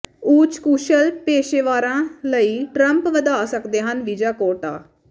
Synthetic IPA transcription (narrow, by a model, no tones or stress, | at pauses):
uːt͡ʃkuːʃəlpeːʃeːʋaːɾãːləiːʈɾəmpʋəd̪aːsəkd̪eːɦənʋid͡ʒaːkoːʈaː